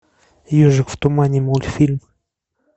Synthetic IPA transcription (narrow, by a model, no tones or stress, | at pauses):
joʐɨkft̪ʊmanʲɪmolʲfʲilʲm